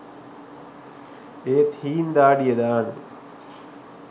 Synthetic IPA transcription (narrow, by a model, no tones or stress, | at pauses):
eːt̪ʰiːnd̪aːɖijed̪aːn